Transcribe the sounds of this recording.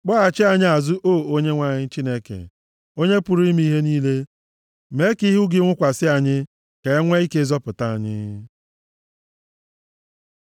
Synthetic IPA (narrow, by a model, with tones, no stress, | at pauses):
k͡pɔ˦a˨t͡ʃɪ˦a˨ɲɪ˦a˨zʊ˦ʔoː˦˨o˦ɲe˦ŋʷa˨ɲɪ˦t͡ʃi˦ne˦kḛ˨ | o˦ɲe˦pʊ˨ɾi˦m˦i˦ɦe˦niː˦le˦ | me˨˦ki˦ɦʊ˦ɡɪ˨˦ŋʷʊ˦kʷa˨sɪ˦a˨ɲɪ˦ | ke˨˦ŋʷe˦i˦ke˦zɔ˦pʊ˨ta˦a˨ɲɪ̰˦